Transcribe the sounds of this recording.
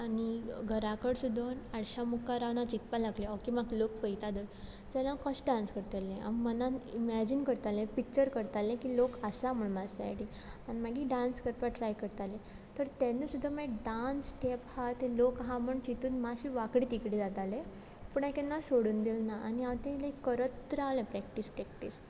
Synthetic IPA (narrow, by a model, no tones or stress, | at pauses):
añiɡʱəɾakəɽsud̪ʱːənaɽɕamukaɾaʋnat͡ɕit̪palaɡleɔkimaklok̚pəjt̪ad̪əɾ | d͡ʑalaakəɕɖanskəɾt̪elẽa̰mmənaimɛd͡ʑinkəɾt̪alẽpik̚t͡ɕəɾkəɾt̪alẽkilokəsam̤əɳmad͡zsa̰jʈi | animaɡiːɖanskəɾt̪ʋaʈɾajkəɾt̪alẽ | t̪əɾt̪ɛnisud̪ʱːamaɖansʈʰephat̪elokɦãməɳt͡ɕit̪uːnmaɕiːʋakɽiːt̪ikɽid͡zat̪alẽ | pəɳakɛnːasoɽuːnd̪ilnaʔa̰niaʋt̪ẽləikːəɾət̪ːɾaʋlẽpɾɛkʈispɾɛkʈis